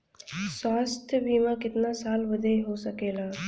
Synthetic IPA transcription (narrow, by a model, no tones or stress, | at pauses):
swaːst̪ʰjəbiːmãkɪt̪nasaːlʋəd̪ʱeɦosəkeːlaː